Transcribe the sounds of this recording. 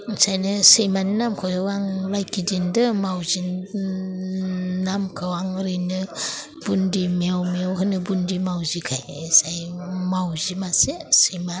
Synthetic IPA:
sajnɯsɯjmannamkʰowaŋlajkidindɯmawzin | namkʰawaŋɾinɯ | b̥undimiawmiawkɯnɯbundimawzikʰajesajmawzimasesɯjma

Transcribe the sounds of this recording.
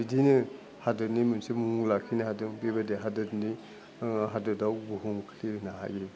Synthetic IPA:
idinɯ | hadɯnimunsimuŋlakʰinahadɯŋbibadeɦadɯtni | ɦadɯdawbuɦuŋkʰliɾnaɦa̰ɡe

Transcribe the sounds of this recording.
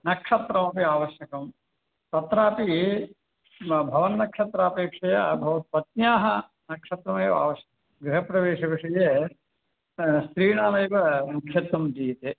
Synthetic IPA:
nɐkʂɐt̪ɾɐmɐpiaːʋɐʃjɐkɐm | t̪ɐt̪ɾaːpi | bʱɐʋɐnːɐkʂɐt̪ɾaːpeːkʂɐjɐbʱɐʋɐt̪pɐt̪̚njaːɦɐ | nɐkʂɐt̪ɾɐmɐjʋa̰ːʋɐʃjɐkɐmɐɡɾiɦɐpɾɐʋeːʂɐʋiʂɐjeː | st̪ɾiːɳaːlɐjʋɐmukʰjɐt̪wɐmd͡ʒiːt̪e

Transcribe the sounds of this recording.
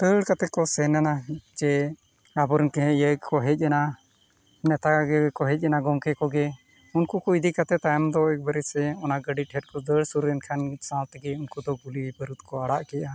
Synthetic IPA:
t̪əɽkat̪ɛkɔsɛnanad͡ʒɛ | abɔɾɛnkɛɦɛ̃ʔjəɡkɔɦɛc̚ˀana | nɛt̪aaɡɛɛkɔɦɛc̚ˀanaɡɔmkɛkɔɡɛ | unkukɔid̪ikat̪ɛt̪ajmd̪ɔɛk̚baɾɛsɛɔnaɡəɖiʈʰɛʈ̚kɔd̪əɽsuɾɛnkʰansãt̪ɡɛunkud̪ɔɡulibəɾut̪̚kɔaɽaʔkɛʔa

